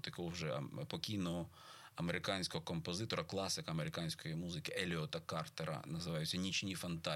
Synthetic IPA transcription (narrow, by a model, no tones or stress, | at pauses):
t̪ɐkɔwʒɛ̰pɔkʲijnɔɦɔ | ɐmeɾɪkɑnʲsʲkɔɦɔkɔmpɔzɪt̪ɔɾɐklˠɑsɪkɐɐmeɾɪkɑnʲsʲkɔjimuzɪkɪʔelʲiɔt̪ɐkɑrt̪eɾɐ̰nɐzɪʋɑjʊt͡sʲːɐnʲit͡ʃnʲifɐnt̪ɑ